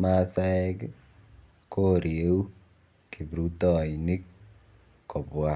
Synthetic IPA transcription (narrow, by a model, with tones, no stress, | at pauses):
ma˦sa˦ɛ˦k | ko˦ɾje˦u˦ | ki˨bɾu˦tɔ˦˨i˨ni˦k | kːo˨bwa˦